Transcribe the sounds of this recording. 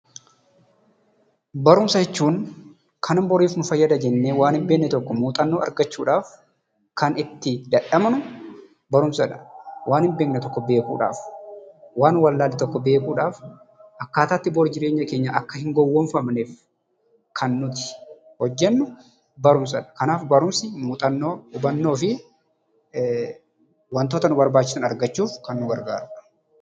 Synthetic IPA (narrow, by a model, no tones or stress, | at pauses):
bɐɾʊmsɐd͡ʒɛt͡ʃːuːŋ | kʰɐnɪmbɔɾiːfnʊfɐjːɐd̪ɐd͡ʒɛnːeːwaːnhɪmbe̞ːkːɛt̪ɔkːɔmuːt̪ʼɐnːuːʔɐ̰ɾɡɐt͡ʃːuːᶑaːf | kɐnɪt̪ːɪd̪ɐᶑɐmnʊ | bɐɾʊmsɐᶑɐ̥wʔaːnhɪmbe̞ːknɛt̪ɔkːɔbe̞ːkṵːᶑa̰ːf | waːnwɐlːaːlːɪt̪ɔkːɔbe̞ːkuːᶑaːf | ʔɐkːaːt̪aːt̪ːɪboːɾd͡ʒɪɾe̞ːɲːɐke̞ːɲːɐʔɐkːɐhɪŋɡɔwːɔnfɐmneːf | kʰɐnːʊt̪ɪ̥ | hɔd͡ʒːɛnːʊ | bɐɾʊms̬ɐᶑɐ̥kɐnaːfbɐɾʊmsɪmʊt̪ʼɐnːoːʊbɐnːo̞ːfɪ | wɐnt̪oːt̪ɐnʊbɐɾbaːt͡ʃːɪ̥sʊnɐɾɡɐt͡ʃːuːfkɐnːʊɡɐɾɡa̰ːɾʊᶑɐ̥